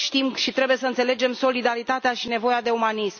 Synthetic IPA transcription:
ʃt̪imʃit̪ɾe̞buje̞səɨnt̪se̞le̞d͡ʒe̞mso̞lid̪aɾit̪at̪eaʃine̞vo̞jad̪e̞umanism

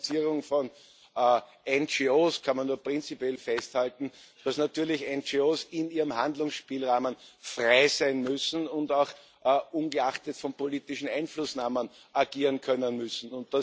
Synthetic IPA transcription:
t͡siːʁʊŋfɔnː | ʔɛnd͡ʒioːskʰanmanːuːɐpʁɪnt͡sipjɛlfɛsthaltn̩d̥asnatyːɐlɪçɛnt͡ʃioːsɪniːʁəmhãndlʊŋsʃpiːlʁaːmənfʁaɪzæɪnmʏsn̩ʊndaʊx | ʔʔunɡəaχtətfɔnpoliːtɪʃn̩ãɪnflʊsnaːmən | aɡiːʁənkʰœnənmʏsn̩ʊnt̚d̥a

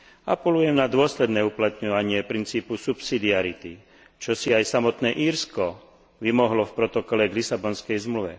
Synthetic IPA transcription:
a̰pɛlujɛmnad̪ʊɔslɛd̪nɛːuplat̪ɲɔʋaɲɪɛpɾint͡siːpusupsid̪iaɾit̪i | t͡ʃɔsiajsamɔt̪nɛːʔiːɾskɔ | ʋimɔɦlɔfpɾɔt̪ɔkɔlɛɡlisabɔnskɛjzmluʋɛ̰

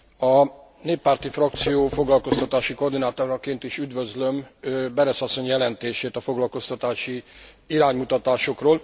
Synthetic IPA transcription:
ɒ | neːpːaːrt̪ifrɒkt̪sijoːfo̞ɡlɒlko̞st̪ɒt̪aːʃiko̞rd̪inaːt̪oɾɒkeːnt̪iʃyd̪vøzlø̞mbɛɾɛsɒsːo̞ɲjɛlɛnt̪eːʃeːt̪ɒfo̞ɡlɒlko̞st̪ɒt̪aːʃi | iɾaːɲmut̪ɒt̪aːʃo̞kroːl

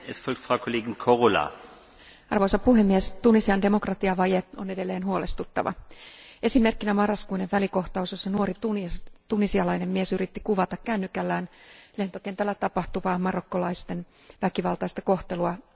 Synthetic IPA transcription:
ʔɛsfɔlk̚t̪fʁ̥ɑʊkʰoleːɡɪnkʰoʁola̰ː | ɑrʋo̞jsɑppuɦe̞mːiest̪unisiɑnde̞mo̞krɑt̪iɑʋɑje̞o̞ne̞de̞lːe̞ːnɦuole̞st̪ut̪ːɑ̰ʋɑ̰e̞sime̞rkːinæmɑrːɑskuineʋʋæliko̞ht̪ɑusesːɑnuo̞ɾit̪ut̪unisiɑlɑjne̞mmiesyɾit̪ːikuʋɑt̪ɑkkænːykælːæːnle̞nt̪o̞ke̞nt̪ælːæt̪ɑpɑht̪uʋɑːmɑro̞kːo̞lɑjst̪e̞n | ʋækiʋɑlt̪ɑist̪ɑko̞ht̪e̞luɑ

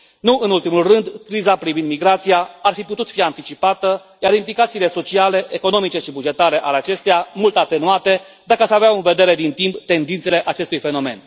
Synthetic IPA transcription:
nuʔɨnult̪imulrɨnd̪kɾizapɾivind̪miɡɾat̪sijaarfiput̪ut̪fiant̪it͡ʃipat̪ə | jaɾimplikat̪siːle̞so̞t͡ʃiale̞ʔeko̞no̞mit͡ʃe̞ʃibud͡ʒe̞t̪aɾe̞ʔaleat͡ʃe̞st̪ejamult̪at̪e̞nuat̪e̞ | d̪akəasaveaɨnve̞d̪e̞ɾe̞d̪int̪impt̪e̞nd̪int̪se̞le̞ʔat͡ʃe̞st̪ujfe̞no̞me̞̰n

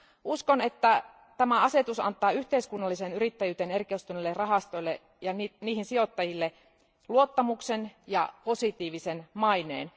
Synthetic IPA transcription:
uskone̞t̪ːæ | t̪æmæɑse̞t̪usɑ̰nt̪ːˑɑːyht̪eiskunːɑlːisenyɾit̪ːæjyːt̪enerkeust̪unelːerɑɦɑst̪o̞ilːe | jɑniniːhinsio̞t̪ːɑjilːe | luo̞t̪ːɑmuksenjɑ̰po̞sit̪iːʋisenmɑinḛːn

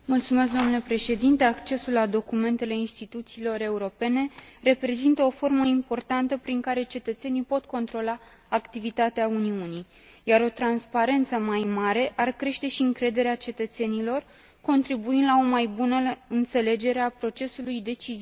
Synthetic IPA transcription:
mult̪sumeskd̪oomnule̞pɾe̞ʃe̞d̪int̪e̞akt͡ʃe̞sulːad̪o̞kume̞nt̪e̞le̞inst̪it̪ut̪siːlo̞ɾe̞uɾo̞pe̞ne̞re̞pɾe̞zint̪əo̞fo̞rməimpo̞rt̪ant̪əpɾiŋkaɾe̞t͡ʃe̞t̪ət̪se̞nijpo̞t̪ko̞nt̪ɾo̞laː | kt̪ivit̪at̪eauniunij | jaɾo̞t̪ɾanspaɾe̞nt̪səmajmaɾe̞ʔarkɾe̞ʃt̪e̞ʃiɨŋkɾe̞d̪e̞ɾeat͡ʃe̞t̪ət̪se̞nilo̞r | ko̞nt̪ɾibuind̪lao̞majbunəɨnt̪se̞le̞d͡ʒe̞ɾeapɾo̞t͡ʃe̞sulujd̪e̞t͡ʃizi

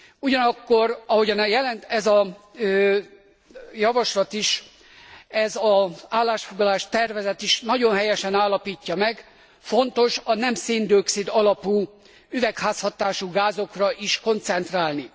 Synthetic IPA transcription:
uɟɒnɒkːo̞rɒɦo̞ɟɒnjɛlɛnt̪ɛzɒ | jɒvɒʃlɒt̪iʃ | ɛzɒaːlːaːʃfo̞ɡlɒlaːʃt̪ɛrvɛzɛt̪iʃnɒɟo̞nɦɛjɛʃɛnaːlːɒpiːcːɒmɛɡ | fo̞nt̪o̞ʃɒnɛmsiːnd̪ioksid̪ɒlɒpuː | yvɛkhaːshɒt̪aːʃuɡaːzo̞krɒʔiʃko̞nt̪sɛnt̪raːlni

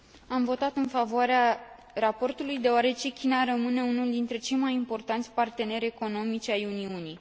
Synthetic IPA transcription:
amvo̞t̪at̪ɨnfavoaɾea | rapo̞rt̪ulujd̪e̞oaɾe̞t͡ʃe̞kʲinaɾəmɨne̞unuld̪int̪ɾe̞t͡ʃe̞jmajimpo̞rt̪ant̪sʲpart̪e̞ne̞ɾʲe̞ko̞no̞mit͡ʃʲajuniunij

